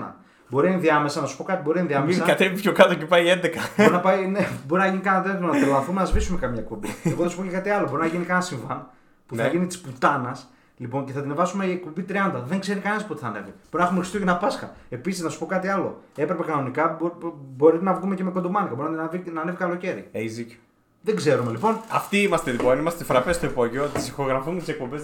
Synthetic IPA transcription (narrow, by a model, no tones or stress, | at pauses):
nɐ̰ | bo̞ɾinɐinðiɐme̞sɐnɐsu̥po̞kɐt̪ibo̞ɾinɐinðiɐmeisɐɐt̪evipçokɐt̪ocepɐiend̪ekɐboɾinɐpɐjnebo̞ɾinɐʝinikɐnɐt̪ɾet̪monɐt̪elɐθumenɐzvisume̞kɐmɲɐe̞k̚po̞bḭeɣoθeɐsu̥pocekɐt̪iɐlobo̞ɾinɐʝinikɐnɐsiɱvɐn | puθɐʝinit̪i̥sput̪ɐnɐs | lipo̞nceθɐt̪inevɐsumeiekpo̞mbit̪ɾiɐnd̪ɐðe̞ŋɡze̞ɾikɐnenspuot̪iθɐne̞viboɾinɐxumexist̪iocenɐpɐskɐ̰e̞pisiznɐsu̥po̞kɐt̪iɐlo̞̰e̞pɾe̞pe̞kɐno̞nikɐbbo̞ɾit̪enɐvɣumeceme̞kod̪omɐnikɐbo̞ɾinɐt̪envinɐne̞vikɐlo̞ce̞ɾieizico | ðeɡze̞ɾumelipo̞nɐft̪iimɐst̪eðiponimɐst̪efɾɐpest̪oek̚poʝeoot̪isixo̞ɣɾɐfuet̪isek̚pobez